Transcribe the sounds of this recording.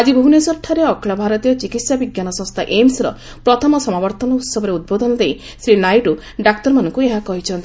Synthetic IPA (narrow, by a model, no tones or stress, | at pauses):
ad͡ʒibʱunɔsɔʈʰːaɾeɔkʰɭɔbʱaɾɔt̪ijɔt͡ʃikit̪sjabiɡjanɔsɔ̃st̪ʰaʔemsɾɔ | pɾɔt̪ʰɔmɔsɔmabɔɾt̪ɔnɔut̪sɔbɔɾeud̪̚bod̪ɔnɔd̪ej | sɾinajʈu | ɖakt̪ɔɾmanɔŋkueɦakɔɦit͡ʃʰɔnt̪i